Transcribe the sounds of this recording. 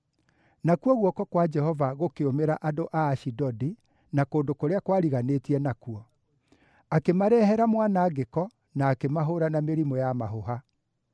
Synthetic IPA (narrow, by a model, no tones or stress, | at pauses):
nakuɔɣwɔkɔkwad͡ʒɛhɔvaɣokeomeɾaʔadoʔaːʃidɔdi | nakoːndokoɾeakwaɾiɣanetiɛnakuɔ | akemaɾɛhɛɾamwanaːɣekɔ | naːkemaɦoɾanameɾimɔjamaɦoɦa